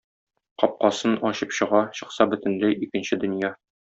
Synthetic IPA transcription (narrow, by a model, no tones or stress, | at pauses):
qɒp̚qɑsɤnɒɕɤpɕɤ̆ʁɑɕɤ̆qsɑbɵ̆t̪ɘ̆nlæjikɘ̆nɕɘd̪ɵ̆njɑ